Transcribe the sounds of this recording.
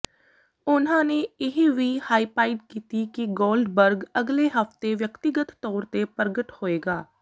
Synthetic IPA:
ʊnãːneːɪɦeːʋiːhaːiːpaːɪɖkiːt̪iːkɪɡoːlɖbəɾɡəɡleːɦəft̪eːʋjəkt̪ɪɡət̪ːɔːɾt̪eːpəɾɡəʈhoːeːɡaː

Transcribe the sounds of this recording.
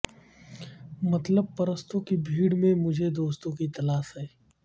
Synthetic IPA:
mɐt̪ləb̚pɐɾəst̪õkibʱiːɽmẽmʊd͡ʒʱed̪oːst̪õkit̪ɐlaːʃɦɛː

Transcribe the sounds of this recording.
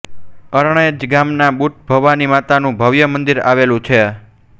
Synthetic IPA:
əɾɳ̃əjd͡ʒɡamnabuʈ̪̚bʱəʋːanimat̪anũbʱəʋjəmənd̪iɾa̰ʋelũt͡ʃʰe

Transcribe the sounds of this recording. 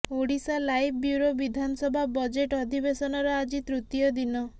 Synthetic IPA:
oɽisalajb̚ʰbjuɾobid̪ʱanɔsɔbʱabɔd͡ʒeʈɔd̪ʱibesɔnɔɾɔad͡ʒit̪ɾut̪jɔd̪inɔ

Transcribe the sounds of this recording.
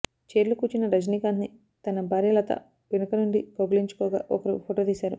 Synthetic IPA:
t͡ʃeːɾlukuːt͡ʃinɐɾɐd͡ʒniːkaːnni | t̪ɐnɐbʱaːɾjɐlɐt̪ɐ̰ | ʋinɐkɐnuɳɖikoɡɐliɲt͡ʃu̥kɔːɡa̰ːʔɔkɐɾupʰoːʈoːt̪iːsaːɾu

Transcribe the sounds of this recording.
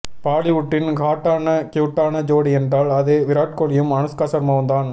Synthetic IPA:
paːlɪʋʊʈːɪnkaːʈːaːnɐkjuːʈːaːnɐd͡ʒoːɽiɛndraːlɐðeːʋɪɾaːʈ̚kɔɭɪjɯmɐnɐskaːsɐɾmɐʋɐnd̪aːn

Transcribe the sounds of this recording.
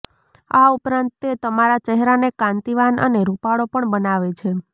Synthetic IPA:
aupɾãnt̪ːet̪əmaɾat͡ʃɛɦɾanekãnt̪iʋanʔə̰neɾupaɽopəɳbənaʋet͡ʃʰe

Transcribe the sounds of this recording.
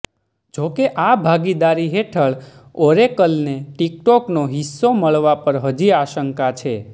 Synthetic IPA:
d͡ʒokeʔabʱaɡid̪aɾiɦeʈʰəɭoɾekəlneʈik̚ʈɔknoɦisːoməɭʋapəɾɦəd͡ʒiaʃəŋkat͡ʃʰe

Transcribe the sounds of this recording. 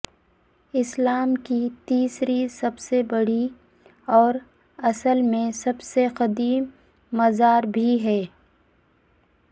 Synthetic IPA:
ɪslaːmkit̪iːsɾisɐbsebɐɽi | ɔːɾ | ɐsəlmẽsɐbseqɐd̪iːmː | ɐzaːɾbʱiɦɛː

